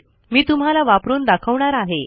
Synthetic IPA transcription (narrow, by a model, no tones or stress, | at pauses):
miːt̪um̤ɦalaʋapɾuːnd̪akʰəʋɳaɾaɦe